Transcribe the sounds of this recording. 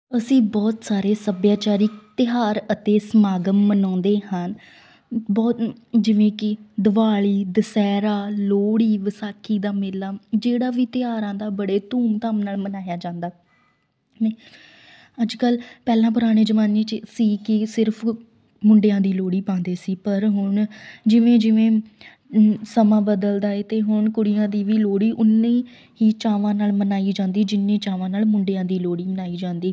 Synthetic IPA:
əsĩːbɔːt̪saːɾeːsəbjaːt͡ʃaːɾiːt̪ɪɦaːɾət̪eːsəmaːɡəmmənɔ̃ːnd̪eːhən | bɔːt̪d͡ʒɪʋẽːkɪd̪əʋaːɭiːd̪əsɛːɾaːloːɽiːʋəsaːkʰːiːd̪aːmɪlaːd͡ʒeːɽaːʋiːt̪ɪɦaːɾãːd̪aːbəɽeːt̪uːmt̪aːmnaːlmənaːjaːd͡ʒãːnd̪aː | neː | əd͡ʒkəlpɛːlãːp̬ʊɾaːɽ̃eːd͡ʒəmaːneːt͡ʃsiːkɪsɪɾpʰ | mʊɳɖejãːd̪iːloːɽiːpãːnd̪eːsiːpəɾɦʊɳd͡ʒɪʋẽːd͡ʒɪʋẽː | səmãːbəd̪əld̪aːeːt̪eːɦʊɳkʊɽɪjãːd̪iːʋiːloːɽiːʔʊnːẽː | ɦiːt͡ʃaːʋãːnaːlmənaːiːd͡ʒãːnd̪iːd͡ʒɪnːẽːt͡ʃaːʋãːnaːlmʊɳɖejãːd̪iːloːɽiːmənaːiːd͡ʒãːnd̪iː

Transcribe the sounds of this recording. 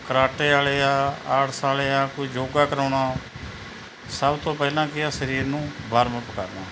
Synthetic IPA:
kəɾaːʈeːaːleːaːəʈʰsaːleːaːkoiːd͡ʒoːɡaːkəɾaːɳaː | səbt̪õːpɛːlãːkɪaːsəɾiːɾnũːbaːɾməpəka̰ːɾnaː

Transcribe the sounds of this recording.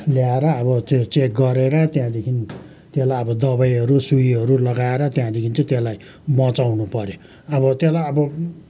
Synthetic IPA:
ljaeɾʌːbʌt̪et͡sek̚ɡʌɾeɾʌt̪jãd̪ekʰini | t̪elajʌbʌd̪ʌbajɦʌɾusuiɦʌɾulʌɡaeɾʌt̪jãd̪ekʰinit͡sʌ̃t̪jelaj | mʌt͡sawnupʌɾjo | ʌbʌt̪jelajʌbʌ

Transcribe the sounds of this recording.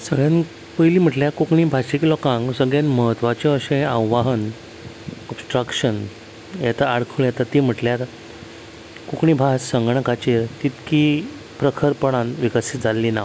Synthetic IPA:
səɡɭjãn | pəjliːm̤əʈljaɾkukɳiːbʱaɕiklɔkãŋɡsəɡɭjãnməɦət̪ʋat͡ɕeəɕẽawʋaɦən | ɔbsʈɾakɕən | jɛt̪aaɽkʰuɭjat̪at̪ːim̤əʈljaɾ | kukɳiːbʱassəŋɡɳəkat͡ɕeɾt̪it̪ki | pɾəkʰəɾpəɽãnʋikəsit̪d͡zʱalːiːna

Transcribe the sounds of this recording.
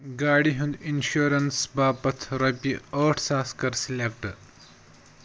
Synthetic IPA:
ɡaːɽiɦund̪inɕuɾɐnsbaːbɐt̪ʰɾɐbiɐːʈʰsaːskɐɾsilek̚ʈ

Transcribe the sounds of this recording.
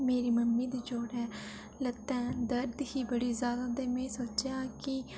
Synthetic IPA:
meːɾiːməmːiːd̪iːd͡ʒoːɽɛː | lət̪ːɛ̃ːd̪əɾd̪hiːbəɽiːzjaːd̪aːd̪eːmɛ̃ːsoːt͡ʃjãːkɪ

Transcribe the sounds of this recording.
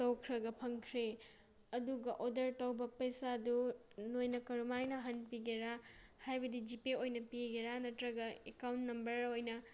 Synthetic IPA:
towkʰɾɐɡɐpʰɐŋkʰɾe | ɐduɡɐʔodɐɾtɐwbɐpɐjsadu | nojnɐkɐɾumajnɐɦɐnpiɡeɾa | hajbɐdid͡ʒipeojnɐpiɡeɾanɐtɾɐɡɐekawntnɐmbɐɾojnɐ

